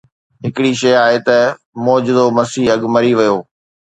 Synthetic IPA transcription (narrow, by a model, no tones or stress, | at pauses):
ɦɪkɪɽiʃɐjaːɦet̪ɐ | mɔːd͡ʑɪd̪omɐsiːɐɠmɐɾiʋɐjoː